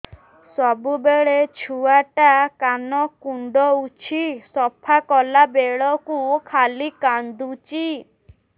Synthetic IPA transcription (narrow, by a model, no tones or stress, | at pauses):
sɔbubeɭet͡ʃʰuaʈakanɔkuɳɖɔut͡ʃʰisɔpʰakɔlabeɭɔkukʰalikand̪ut͡ʃi